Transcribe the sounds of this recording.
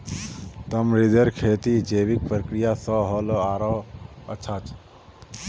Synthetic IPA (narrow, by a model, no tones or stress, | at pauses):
t̪əmɾid̪əɾkʰeːt̪id͡ʒeːʋik̚pɾəkɾijasɔɦɔlɔaːɾɔət͡ʃʰat͡ʃʰ